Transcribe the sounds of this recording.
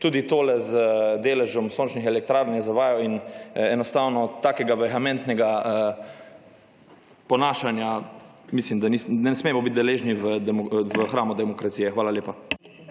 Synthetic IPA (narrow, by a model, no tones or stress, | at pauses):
t̪uːd̪it̪oːlɛzd̪eːlɛʒɔmsoːnt͡ʃnixɛlɛk̚t̪ɾaːɾnjɛzaʋaːjɔinɛnɔst̪awnɔt̪aːkɛɡaʋɛxɛmɛ̃nt̪nɛɡaə | pɔnaːʃanja | mislimd̪anisnɛsmeɛmɔbit̪̚ʲd̪ɛleːʒniʋəɛvəxɾaːmɔd̪ɛmɔkɾat̪sijɛxʋaːlaljeːpa